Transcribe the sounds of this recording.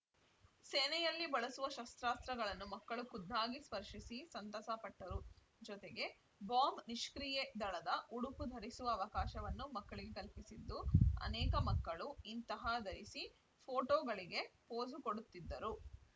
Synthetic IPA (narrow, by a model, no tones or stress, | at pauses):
seːnɛjɐlːibɐɭɐsuʋɐʃɐst̪ɾaːst̪ɾɐɡɐɭɐnːumɐkːɐɭukud̪ʱːaːɡispɐɾʂisisɐnt̪ɐsɐpɐʈːɐɾu | d͡ʒɔt̪eɡe̞ | baːmbniʃkɾijed̪ɐɭɐd̪ɐʔuɽupud̪ʱɐɾisuʋɐːʋɐkaːʃɐʋɐnːumɐkːɐɭiɡe̞kɐlpisid̪ːuɐ̰nɛːkɐmɐkːɐɭuint̪ɐɦad̪ʱɐɾisi | pʰoːʈoːɡɐɭiɡe̞poːzukoɽut̪ːid̪ːɐɾu